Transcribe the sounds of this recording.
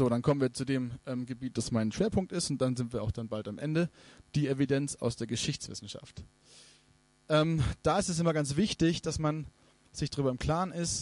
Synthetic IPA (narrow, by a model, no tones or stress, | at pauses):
z̥oːɾankʰɔmənviːɐt͡sudeːmʔɛːmɡəbiːt̚d̥asmaɪnʃv̥eːɐpʰʊŋk̚tɪstʊnt̚d̥anzɪntviːɐaʊxd̥anbaltamʔɛ̰ndəd̥iːevidɛnt͡sa̰ʊsd̥eːɐɡəʃɪçt͡sv̥ɪ̰sn̩ʃa̰ft | ʔɛːmd̥aːɪstɛsɪmɐɡant͡sv̥ɪçtɪçd̥asman | z̥ɪçdaʁyːbɐɪmkʰl̥aːnɪst